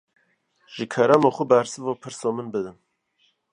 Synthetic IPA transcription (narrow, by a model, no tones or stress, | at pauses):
ʒ̥ikʰɛɾamoxubæɾsɨvoːpʰɨɾsomɨnbɨd̪ɨn